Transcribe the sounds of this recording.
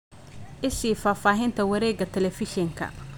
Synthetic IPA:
ʔɪsiːfaːfaːɦɪnt̪ʰɐwɐɾɛːɡɐt̪ʰɛlɛfɪʃɛŋkʰɐ̰

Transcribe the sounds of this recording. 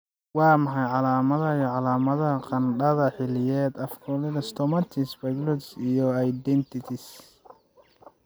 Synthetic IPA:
wɑːmɑħɑjʕɑlaːmɐðɐijɔʕɑlaːmɐðɐɦɐqɑnɖɐðɐħɪlɪjɛːd̪ɐfkʰɔlɪðɐst̪ʰɔmɐt̪ʰɪsbɐɡlɔd̪sijɔajd̪ɛnt̪ʰɪt̪ʰɪs

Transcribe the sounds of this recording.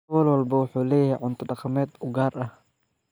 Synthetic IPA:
wɔːlwɑlbɐwʊħuːlɛːjhɛjʕʊnt̪ʰʊɖɑqɑmɛːd̪ʊɡaːrʔɐh

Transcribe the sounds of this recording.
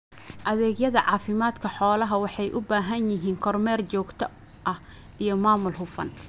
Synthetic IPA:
ʔɐðɛːɡjɐðɐʕɑːfɪmaːd̪kʰɐħɔːlɐɦɐwɑħɑjʔʊbaːɦɐnjɪɦiːŋkʰɔrmɛːrt͡ʃɔːɡt̪ʰɐ | ʔɐh | ʔijɞmaːmʊlɦʊfɐ̰n

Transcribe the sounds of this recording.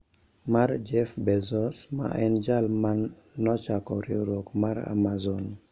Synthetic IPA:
maɾd͡ʒɛfbɛzɔsma̰ʔɛnd͡ʒalmanː | ɔt͡ʃakɔɾiɾokmaɾa̰mazɔn

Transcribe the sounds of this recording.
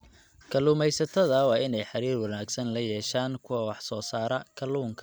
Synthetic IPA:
kʰɐluːmɛjsɐt̪ʰɐðɐwɑːɪnɛjħɑɾiːrwɑnaːɡsɐnlɐjɛːʃaːŋkʰʊwɐwɑħsɔːsaːɾɐkʰɐluːŋkʰɐ

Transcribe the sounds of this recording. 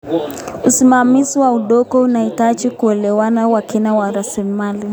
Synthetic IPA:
usimamiziwauɗɔkɔunaitat͡ʃikuɛlɛwanawakinawaɾasilimali

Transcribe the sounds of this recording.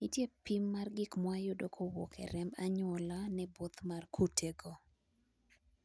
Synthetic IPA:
itjepimːarɡikmwajodokʰowɔ̰kʰɛ̰ɾɛmbaɲɔlanɛbot̪markʰutʰeɡo

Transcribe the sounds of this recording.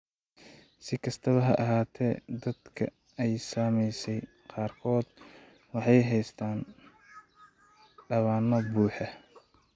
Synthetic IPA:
sɪkʰɐst̪ʰɐβɐɦɐʔɐɦaːt̪ʰɛ̰ːd̪ɐd̪kʰɐ̰ | ɛjsaːmɛjsɛj | qɑːrkʰɔːd̪ | wɑħɑjɦɛjst̪ʰaːn | ɖɐβaːnɐbuːħɛ

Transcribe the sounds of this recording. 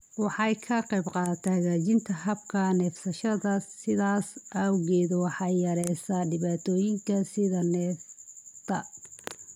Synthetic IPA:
wɑħɑjkʰɐqɛjbqɑːt̪ʰɛhɐɣaːt͡ʃɪnt̪ʰɐɦɐbkʰɐnɛːfsɐʃɐðɐsɪðaːsʔɐwɣɛːðwɑħɑjjɐɾɛjsaɖɪβaːt̪ʰɔːjɪŋkʰɐsɪðɐnɛːft̪ʰɐ

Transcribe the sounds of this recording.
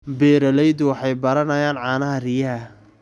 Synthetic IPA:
bɛːɾɐlɛjd̪ʊwɑħɑjbɐɾɐnɐjaːnʕɑːnɐɦɐrɪjɐɐ

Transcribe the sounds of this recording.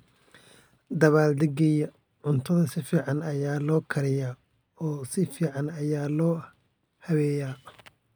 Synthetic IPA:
d̪ɐβaːld̪ɛɡɛjɐ | ʕʊnt̪ʰɐðɐsɪfiːʕɑnɐjaːlɔːkʰɐɾɪjaː | ɔːsɪfiːʕɑnɐjaːlɔː | hɐβɛːjaː

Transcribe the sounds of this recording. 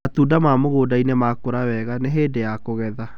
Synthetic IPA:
atuːdamamoɣoːdainemakoɾawɛɣaneɦeːdejakoɣɛða

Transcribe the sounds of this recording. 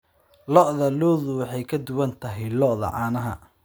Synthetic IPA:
lɔʔðɐlɔːðʊwɑħɑjkʰɐd̪ʊwɐnt̪ʰɐɦɛjlɔʔðɐ̰ʕɑːnɐɦɐ̰

